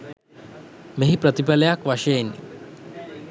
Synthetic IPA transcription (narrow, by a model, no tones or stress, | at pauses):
meɦipɾət̪ipaləjakʋaʃejenːḭ